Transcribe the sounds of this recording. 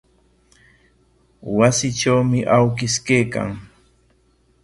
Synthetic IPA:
wasɪʈ͡ʂawmɪʔawkɪskejka̰ŋ

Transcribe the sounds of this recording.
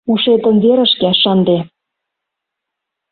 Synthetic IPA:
uʃet̪ə̆nβeɾə̆ʃkeʃɤnd̪e

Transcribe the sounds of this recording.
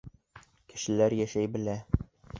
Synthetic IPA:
kɘ̥̆ʃɘ̆læɾjæʃæjbɘ̆læ

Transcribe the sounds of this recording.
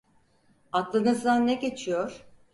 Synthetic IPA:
at̪lˠɯnɯzd̪annːɛɟʲe̞t͡ʃʰijoɾ̥

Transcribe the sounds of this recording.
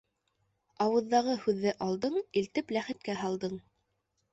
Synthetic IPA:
ɑwɤ̆ðːɑʁɤhʉðːɘʔɑlˠd̪ɤɴilt̪ɘplæχɘ̆t̪̚kæɦɑlˠd̪ɤɴ

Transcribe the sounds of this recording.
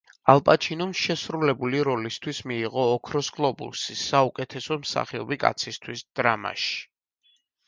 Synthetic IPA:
alˠpʼat͡ʃʰinɔmʃɛsɾulɛbuliɾɔlist̪ʰwismiːʁɔːkʰɾɔskʼlˠɔbṵsisaukʼɛt̪ʰɛsɔmsa̰χiɔbikʼa̰t̪sʰist̪ʰwisd̪̥ɾama̰ʃi̥

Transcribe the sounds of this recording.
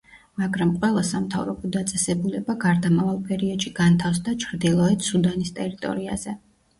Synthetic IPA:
maɡɾamqʼwɛlˠasamt̪ʰa̰vɾɔbɔd̪at̪sʼɛsɛbulɛbaɡaɾd̪amavalˠpʼɛɾiɔd̪̥ʃiɡ̥ant̪ʰafsd̪at͡ʃʰɾd̪ilˠɔɛt̪sud̪anist̪ʼɛɾit̪ʼɔ̰ɾia̰z̥ɛ

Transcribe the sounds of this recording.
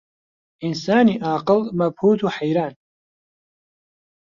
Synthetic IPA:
ʔɪnsaːniːʔaːqɨlmɐbhuːt̪ʰuːħajɾaːn

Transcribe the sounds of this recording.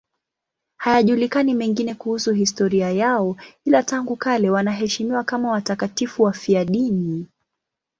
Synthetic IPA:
hajaʄulikanimɛŋɡinɛkuhusuɦistɔɾiajaɔilataŋɡukalɛwanaɦɛʃimiwakamawatakatifuwafiaɗini

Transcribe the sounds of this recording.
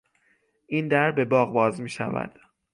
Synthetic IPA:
ʔiːnd̪æɾbe̞bɒːɣbɒːzmiːʃæ̰væ̰d̪̥

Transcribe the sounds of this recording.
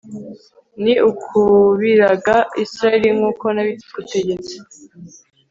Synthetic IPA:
niʔukʰuβiɾaɡaisɾaeɾiŋuːko̞naβiti̥kute̞ɟe̞t͡se̥

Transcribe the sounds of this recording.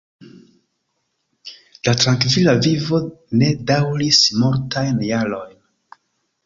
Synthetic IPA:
latɾaŋkvilavivo̞ne̞dawɾismoɾtʰajnjaɾo̞jn

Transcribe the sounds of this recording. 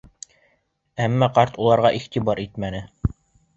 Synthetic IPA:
æmːæqɑɾt̪ulˠɑɾʁɑʔiχt̪ibɑɾit̪mænɘ

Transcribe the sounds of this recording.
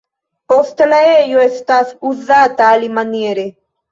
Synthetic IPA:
pɔst̪laejoest̪asuzaːt̪aːlimanieɾe

